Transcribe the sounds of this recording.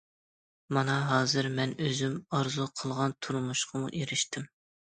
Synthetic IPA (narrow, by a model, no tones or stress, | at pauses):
mɑnɑɦɑːzɨɾmɛnøzymɑɾzuqʰəlˠʁɑnt̪ʰuɾmuʃqʰəmṵʔeɾɪʃt̪ɪm